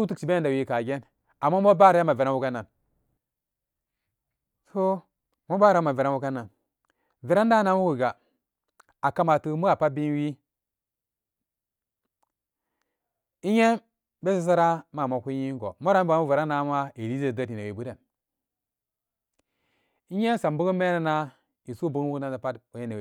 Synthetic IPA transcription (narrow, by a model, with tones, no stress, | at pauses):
u˦tu˦kt͡ʃi˨be˦nda˨wi˨˦ka˨ɡe˦n | a˨mːa˦mo˦ba˦ɾa˦a˦ma˨ve˨ɾa˦nwu˦ka˦nːa˨n | to˦ | mo˦ba˦ɾa˦ma˨ve˨ɾa˦wu˦ka˦na˨n | ve˨ɾa˦n˦da˦na˦nwu˦wu˨ɡa˨ | a˨ka˦ma˨tu˦mu˦a˨pa˦bi˦n˦wi˦ | i˦ɲe˦ | be˦si˨s̬a˦ɾa˦ma˨ma˨kʷu˦ji˦ŋɡo̰˨mo˦ɾa˦m˦ba˨˦mu˦vi˨ɾa˦na˦ma˦i˨li˦ze˨da˦˨ti˨ne˨wi˨bu˦te˨n | i˦ɲe˦n˦sa˨mbu˦ku˦me˦na˨na˦ | i˨su˦bu˦kwu˦ku˦na˦na˨pa˦tu˨je˦ne˨